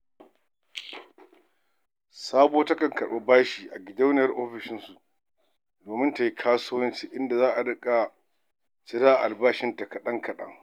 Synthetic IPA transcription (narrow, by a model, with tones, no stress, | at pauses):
saː˦boː˦tɐ˦kɐ˨ŋkɐ˨ɗoː˦baː˦ʃiː˨ʔa˨ɡʲɪ˨da˦wnɪ˨jɐ˦rʔoː˦ɸɪ˨ʃɪ˦nsu˨ʔ | doː˨mɪ˦nta˨ji˦kʰaː˦soː˦wɐ˦nt͡ʃi˦ʔɪ˦nda˨zaː˦ʔa˨ɽɪ˦kʼa˨ | t͡ʃɪ˦ɽaː˦ʔa̰˨lbaː˦ʃɪ˦ntɐ˨kɐ˨ɗɐ˦ŋkɐ˨ɗɐ̰˦ŋ